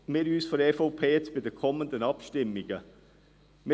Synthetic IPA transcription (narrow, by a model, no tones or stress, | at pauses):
mɪːɾyːsfɔɾɛfopʰeːt͡sb̥ɪd̪ɛkʰɔmənd̪ənɑpʃtɪmːɪɡə | mɪ